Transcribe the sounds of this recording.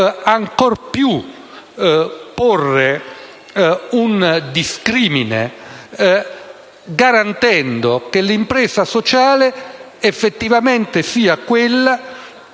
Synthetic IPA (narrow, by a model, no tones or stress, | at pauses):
aŋkɔrpju | porːe | und̪iskɾiːminḛ | ɡaɾant̪ɛnd̪okelimpɾɛːzasot͡ʃaːle | efːet̪ːivament̪esiːakwelːa